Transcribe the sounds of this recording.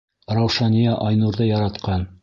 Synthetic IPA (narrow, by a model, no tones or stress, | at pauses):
ɾɑwʃɑnʲijɑʔɒjnuɾðɤjɑɾɑt̪qɑn